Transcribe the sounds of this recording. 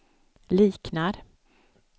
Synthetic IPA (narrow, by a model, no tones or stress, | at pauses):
liːknaɾ